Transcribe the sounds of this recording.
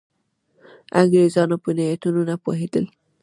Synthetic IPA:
aŋɡɾezɑnopənajat̪ununapo̰ɦed̪əl

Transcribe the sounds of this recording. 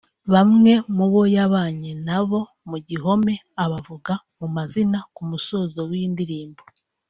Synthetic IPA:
βamŋe̞muβo̞jaβaːɲenaβo̞ | muɟiɦo̞me̞ | aβavuɡa | mumazinakumuso̞zo̞wiːndiɾiːmbo

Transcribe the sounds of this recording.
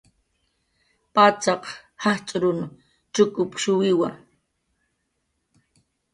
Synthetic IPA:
pat͡sɑqhaht͡ʃʼɾʊn | t͡ʃʊkʊpʃʊwɪwa

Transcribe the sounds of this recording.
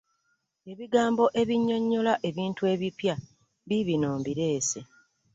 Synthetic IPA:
e̞βiɡaːmbo̞ʔe̞βiɲːo̞ɲːo̞laʔe̞βiːntue̞βipja | βiβinoːmbiɾe̞ːse̞

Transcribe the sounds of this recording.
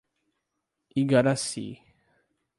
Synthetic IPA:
ʔiɡaɾasḭ

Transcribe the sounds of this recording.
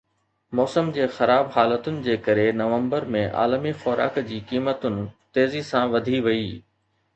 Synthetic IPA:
mɔːsəmd͡ʑeːxɐɾaːbɦaːlət̪ʊnɪ̆d͡ʑeːkɐɾenɐʋə̃mbəɾmẽʔa̰ːləmixɔːɾa̰ːkd͡ʑiːkiːmət̪ʊnɪ̆t̪eːzisãʋɐd̪ʱiʋɐiː

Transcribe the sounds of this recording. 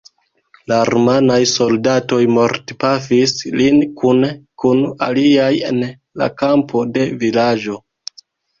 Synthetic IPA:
laɾmanajso̞ldato̞jmo̞ɾtpafislinkunkuna̰liaje̞̰n | la̰kampʰo̞de̞vilad͡ʒo̞

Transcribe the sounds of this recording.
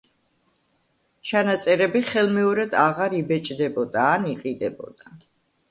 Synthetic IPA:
t͡ʃʰanat̪sʼɛɾɛbiχɛlˠmɛɔɾɛd̪aʁaɾibɛt͡ʃʼd̪ɛbɔd̪aːniqʼid̪ɛbɔ̰d̪̥a

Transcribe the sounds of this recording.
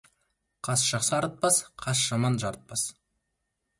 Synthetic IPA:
qʰɑsʒ̥ɑχsəɑɾət̪̚pɑsqʰɑsʒ̥ɑmɑnʒɑɾət̪̚pɑs

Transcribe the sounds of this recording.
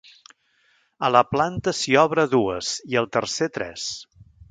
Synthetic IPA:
ələplant̪əsiɔβɾəðuəz̥iəlˠt̪ərset̪ɾɛ̰s

